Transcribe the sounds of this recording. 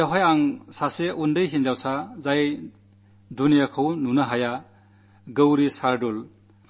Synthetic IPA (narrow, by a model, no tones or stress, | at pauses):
aɦɔjaŋsaseʔundɯjɦinzawsazaj | dunijakʰawnunɐɦaja | ɡəwɾisaɾdul